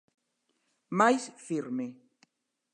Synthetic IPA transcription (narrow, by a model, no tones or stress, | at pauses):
majsfiɾme